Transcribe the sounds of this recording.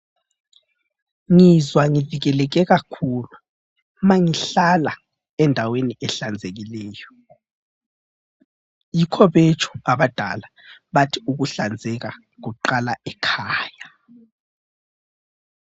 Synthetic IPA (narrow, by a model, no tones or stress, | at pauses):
ŋizwaŋiviɣɛlɛɣɛɣakʰuːlu | maŋiɬala | ɛndʱaweniʔɛɬand͡zʱeɣilɛːjɔ | jikʰɔβet͡ʃʰʼu̥aβad̥ʱa̰la | βatʰiuɣuɬand͡zʱɛɣa | ɣuǃalaɛkʰaːja